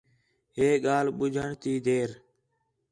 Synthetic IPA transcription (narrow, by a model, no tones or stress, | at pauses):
ɦeːɡaːlɓʊd͡ʒʱəɳt̪iːd̪eːɾ